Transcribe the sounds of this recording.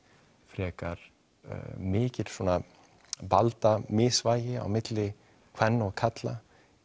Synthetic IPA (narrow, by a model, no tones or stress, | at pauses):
fɾɛːkaɾ̥̰ | mɪːcɪl̥sɔːna | palt̪amɪsvaːjɪa̰wmɪt̪lɪ | kʰv̥ɛnːɔɣkʰat̪la